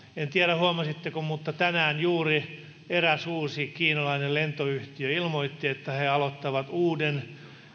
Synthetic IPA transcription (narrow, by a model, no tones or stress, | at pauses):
ent̪iæɾæhuɑmɑsit̪ːekummut̪ːɑt̪ænæːnjuːri | eræsuːsiːkiːnɑlɑinelent̪oyht̪iøilmoit̪ːiet̪ːæheɑlot̪ːɑʋɑt̪uːden